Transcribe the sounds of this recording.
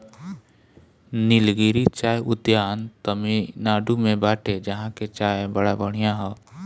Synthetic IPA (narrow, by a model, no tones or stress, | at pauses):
nɪlɡiːɾit͡ʃaːjʔʊd̪jaːnt̪əminaːɖumẽbaːʈʰed͡ʒɐɦãket͡ʃaːebəɽabəɽ̤ijãɦɛː